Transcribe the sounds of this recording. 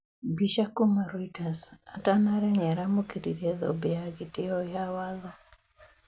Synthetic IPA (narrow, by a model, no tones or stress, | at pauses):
biʃakumaɾoitasa̰tanaɾɛɲɛɾamokiɾiɾjeðɔ̰beaɡɪtɪɔjawaðɔ